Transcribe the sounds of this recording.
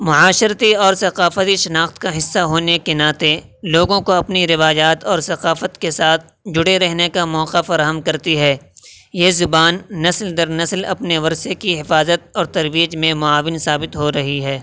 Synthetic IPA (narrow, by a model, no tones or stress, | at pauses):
mʊʕaːʃəɾt̪iɔːɾsɐqaːfət̪iʃɐnaːxt̪kaɦɪsːaɦoːnekenaːt̪eloːɡõkoɐpniɾɪʋaːjaːt̪ɔːɾsɐqaːfət̪kesaːt̪̚ʰ | d͡ʒʊɽeɾɛɦnekamɔːqafɐɾaːɦəmkɐɾt̪iɦɛː | jeːzʊbaːnːɐsld̪ɐɾnɐslɐ̰pneʋɐɾsekiɦɪfaːzət̪̚ɔːɾt̪ɐɾʋiːd͡ʒmẽmʊaːʋɪnsaːbɪt̪ɦoɾɐɦiɦɛː